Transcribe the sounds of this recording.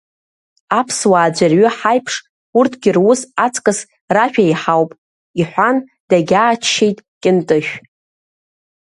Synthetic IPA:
apʰswaːd͡ʒʷarɥʏħajpʰʂ | urtʰɡʲɪrwʊsat͡sʼkʼɨs | raʃᶣajħawpʼ | iħʷan | d̥aɡʲaːt͡ʃʰːejtʼkʲʼɪntʼɨʃᶣ

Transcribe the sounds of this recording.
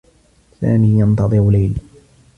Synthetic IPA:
sa̰ːmiːjɑnt̪ɑðˤɨɾʊlajl

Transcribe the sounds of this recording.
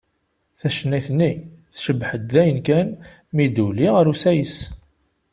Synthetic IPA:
θæʃənːæjθənːiθʃəbħəd̪ːæjənkæn | mid̪uliʁəɾusæjəs

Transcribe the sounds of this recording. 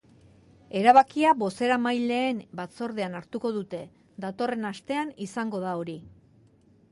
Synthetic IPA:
e̞ɾaβakiaβo̞se̞ɾamajle̞ːmbat͡so̞ɾð̞e̞anaɾt̪uko̞ðut̪e̞ | d̪at̪o̞re̞nast̪e̞anisaŋɡo̞ðao̞ɾi

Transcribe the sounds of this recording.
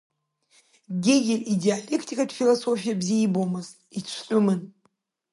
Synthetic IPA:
ɡʲeɡʲɪrideale̞kʰtʰikʼadfilosofijabzijbomɨzt | it͡ʃʷʰtʼʊmɨn

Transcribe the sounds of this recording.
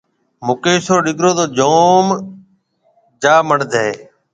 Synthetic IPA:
mʊkeːsoːɗɪɡʱɾoːd̪oːd͡ʒoːm | d͡ʒaːməɳd̪ʱeː

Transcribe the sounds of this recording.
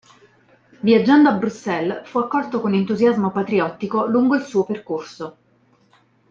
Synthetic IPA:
viad͡ʒːand̪oabɾusːɛlfuakːɔlt̪okonent̪uzjazmopat̪ɾiɔt̪ːikoluŋɡoilsuːoperkorso

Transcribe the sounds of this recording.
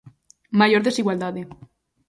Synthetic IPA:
maʝoɾðesiɣwald̪aðe

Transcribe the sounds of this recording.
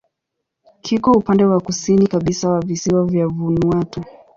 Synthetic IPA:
kʰikɔupandɛwakusinikaɓisawavisiwavjavunwatɔ

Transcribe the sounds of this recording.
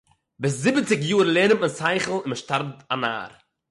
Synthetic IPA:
bɪs̬zɪbət͡sɪkjuːɾlˠeːnəmmənsaɪχl̩ˠɪnməʃtaɾbtana̰ːɾ

